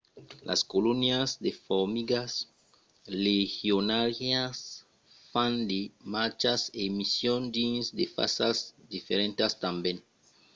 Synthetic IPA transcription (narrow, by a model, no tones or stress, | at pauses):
lʔa̰skolonjazd̪efoɾmiɡas | lexjonaɾjas | fãnd̪emaɾt͡ʃasemisjond̪insd̪efa̰sasd̪ifeɾẽnt̪ast̪ambjẽn